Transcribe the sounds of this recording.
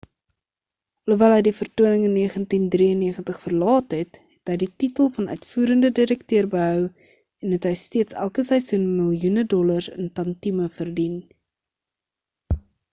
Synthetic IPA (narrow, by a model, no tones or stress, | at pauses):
luvɛlɦəjdifərtuənəŋənːiəχəntindriənːiəχəntəχfərlɑːtɦɛtɦɛtɦəjdititəlˠfɐnœ̰ɥtfuːɾəndədiɾəktøərbəɦœw | ɛnɦɛtɦəjstiətsæ̰lˠkəsɛjsunməlˠjunədɔlɐrsə̰ntɐntiməfərdin